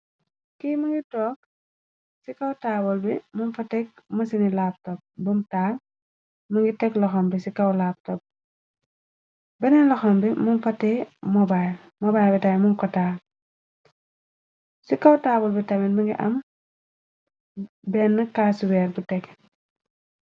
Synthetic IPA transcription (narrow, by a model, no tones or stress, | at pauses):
kimɐŋɡitɔːk̚ | sikɐwtaːbɔlbimunfɐtɛk̚mɐsinilaːp̚tɔp̚bumtaːl | mɐŋɡitɛklɔxɔmbisikɐwlaːp̚tɔp̚ | bɛnɛnlɐxɔmbimunfɐtːɛːmɔbaj | mɔbajbitajmuŋkɔtaː | sikɐwtaːbɔlbitɐmɛnmɐŋɡḭʔɐ̰m | bɛnːɐkaːsuwɛːɾbutɛk